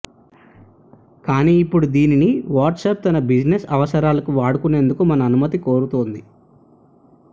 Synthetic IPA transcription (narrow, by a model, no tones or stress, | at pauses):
kaːniːipːuɽud̪iːniniʋaːɾʈseːp̚t̪ɐnɐbid͡ʒnesɐʋɐsɐɾaːlɐkuʋaːɽukune̞ːnd̪ukumɐnɐːnumɐt̪iko̞ːɾut̪oːnd̪i